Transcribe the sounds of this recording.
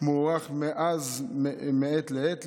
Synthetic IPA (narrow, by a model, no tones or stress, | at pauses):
moʁaχmeʔazmeet̪leet̪